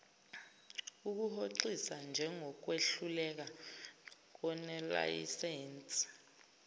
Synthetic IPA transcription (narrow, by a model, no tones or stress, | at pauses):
uk̬uhoǀisand͡ʒʱɛŋʱɔk̬weɬulɛk̬a | k̬ɔnɛla̰jḭsɛːnt͡sʼi̥